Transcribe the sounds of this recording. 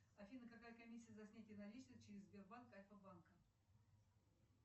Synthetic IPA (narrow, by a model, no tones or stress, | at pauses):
ɐfʲinəkɐkajəkɐmʲisʲːɪjəzɐsʲnʲætʲɪənɐlʲit͡ɕnəst͡ɕɪɾʲɪzʲbʲɪrbankɐlʲfəbankə